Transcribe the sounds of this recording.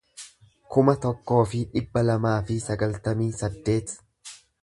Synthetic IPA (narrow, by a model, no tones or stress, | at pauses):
kʊmɐt̪ɔkːo̞ːfɪᶑɪbːɐlɐmaːfɪsɐɡɐlt̪ɐmiːsɐd̪ːe̞ːt̪